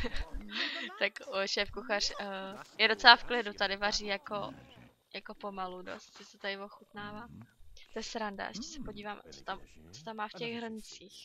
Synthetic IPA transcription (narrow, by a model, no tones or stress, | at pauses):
t̪akoʃɛːfkuxar̝jɛdo̞t͡sɛlafklɪdut̪adɪvariːjako | jako̞po̞maludo̰st̪sɪsɛt̪adɪvo̞xut̪naːvaːt̪ojɛsɾanda̰ʔɛ̰ʃcɛ̥sɛpo̞ɟiːvaːmt͡so̥t̪amt͡sot̪amːaːfcɛɣɦr̩nt͡siːx